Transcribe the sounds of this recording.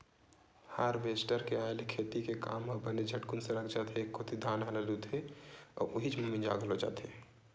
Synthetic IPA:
haɾʋeːsʈəɾkeaːelekʰeːt̪ikeka̰ːməbəned͡ʒʱəʈkunsẽɾəkʰd͡ʒaːt̪ɦekːoːt̪ʰid̪ʱaːnaləlud̪ʱeɔ̰ːɾʔʊɦid͡ʒmumĩnd͡ʒa̰ːɡlod͡ʒa̰ːt̪e

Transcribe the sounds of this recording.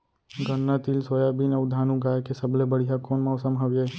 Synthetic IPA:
ɡənːat̪ilsojabinəʋd̪ʱaːnũɡaːjekesəblebəɽ̤ijakoːnmãʊsəmɦaʋjeː

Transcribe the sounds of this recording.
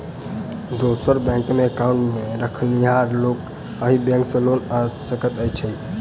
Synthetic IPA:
d̪osəɾbɛ̃ŋkmekaũɳʈmeɾəkʰəlniɦaɾlok | əɦibɛ̃ŋksə̃lonəsəkət̪əjt͡ʃʰəj

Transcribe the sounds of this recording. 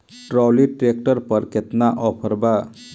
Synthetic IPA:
ʈɾɔwliʈɾek̚ʈəɾpəɾkʰet̪naʔɔpʰəɾba

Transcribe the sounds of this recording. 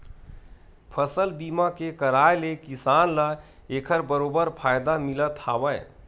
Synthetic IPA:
pʰəsəlbimakekəɾaelekisanla | ekʰəɾbəɾobəɾpʰajd̪amilət̪habəj

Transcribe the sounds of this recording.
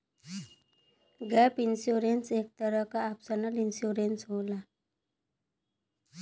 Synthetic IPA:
ɡəpinsjuɾensek̚t̪əɾəkaːpsənəlinsjuɾensɦola

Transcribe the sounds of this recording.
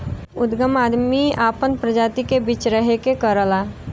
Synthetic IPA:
ʊd̪ɡəmaːd̪miaːpənpɾəd͡ʒaːt̪ikebiːt͡ʃɾəɦekekəɾəlaː

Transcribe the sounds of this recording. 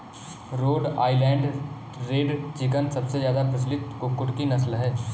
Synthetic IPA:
ɾoːɖa̰ːilɛ̃ːɳɖ | ɾeːɖt͡ʃɪkənsɐbsezjaːd̪apɾɐs̬lɪt̪kʊkːʊʈkinɐslɦɛː

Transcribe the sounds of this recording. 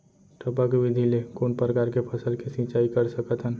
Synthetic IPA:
ʈəpakʋɪd̪ʱilekoːnpɾəkaːɾkepʰəsəlkesĩt͡ʃaikəɾsəkət̪ɦən

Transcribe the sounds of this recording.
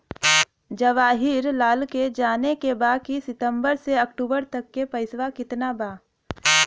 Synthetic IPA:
d͡ʒɐʋaːɦɪɾlaːlked͡ʒaːnekebaːkisɪt̪ə̃mbəɾseɐkʈuːbəɾt̪ɐkːepəɪsʋakɪt̪nabaː

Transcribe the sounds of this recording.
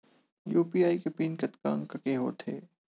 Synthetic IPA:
juːpiːaːikepiːnkɐt̪ka̰ːŋkɐkeɦo̰ːt̪ʰḛː

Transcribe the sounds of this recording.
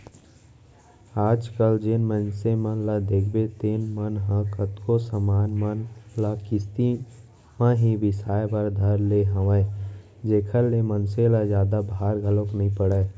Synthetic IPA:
aːd͡ʒkəld͡ʒɪnmə̃nsemə̃lad̪eːkʰbet̪eːnmənɦãkət̪kosəmaːnmənlakɪst̪i | mãɦibɪsaːebəɾd̪ʱəɾleɦəʋə̃ | d͡ʒeːkʰəɾlemənselazjaːd̪abːɾɡʱəloknəɦĩpəɽə

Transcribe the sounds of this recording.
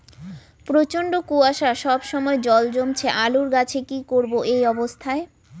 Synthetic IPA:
pɾot͡ɕoɳɖokuaʃaʃɔbʃɔmɔed͡ʑɔld͡ʑomt͡ɕʰeʔaluɾɡat͡ɕʰekikoɾboʔejɔbost̪ʰae

